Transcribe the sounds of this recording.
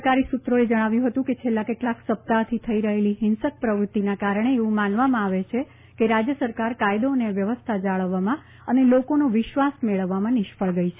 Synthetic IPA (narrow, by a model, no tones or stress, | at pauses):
kaɾisut̪ɾoed͡ʒəɽ̃aʋjũɦət̪ũket͡ʃʰelːakeʈlaksəp̚t̪at̪ʰit̪ʰəiɾəɦeliɦɪnsək̚pɾəʋɾut̪ːinakaɾəɳ̃eeʋũmanʋamãaʋet͡ʃʰe | keɾad͡ʒjəsəɾkaɾkajd̪oneʋjəʋəst̪ʰad͡ʒaɭəʋːamã | ənelokonoʋɪʃʋasmeɭəʋːamãnɪʃpəɭɡəjt͡ʃʰe